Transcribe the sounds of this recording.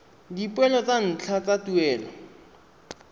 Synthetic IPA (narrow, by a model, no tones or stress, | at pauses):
dipwɛlɔt͡san̩t͡ɬʰat͡satuɛːlɔ